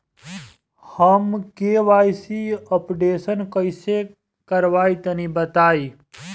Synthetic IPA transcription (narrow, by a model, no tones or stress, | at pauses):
həmkeʋaːjsiəpɖeːsənkəɪse | kɐɾʋaːit̪ɐnibət̪aːi